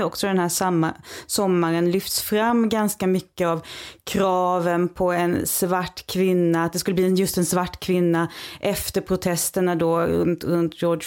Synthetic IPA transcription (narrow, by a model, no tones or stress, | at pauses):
ɔksɔd̪ɛnhæːʂamːasɔmːaɾənlʏft̪sfɾamːɡanskamʏkːəavkʰɾɑːvənpʰɔɛnsvaʈːkʰvɪnːat̪̚d̪ɛskɵlːəbliːɛnjɵst̪ɛnsvaʈːkʰvɪnːaʔɛft̪əɾpʰɾʊt̪ʰɛst̪əɳad̪ɔ̰nt̪ɾɵnt̪jɔːɖ